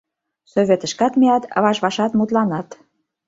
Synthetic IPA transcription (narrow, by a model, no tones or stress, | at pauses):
soβʲet̪ə̆ʃkɑt̪miɑt̪ə̰βɑʃβɑʃɑt̪mut̪lɑnɑt̪